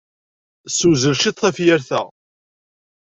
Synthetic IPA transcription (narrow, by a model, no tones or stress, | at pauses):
suzəlʃiθˤθæfjæɾθæ̰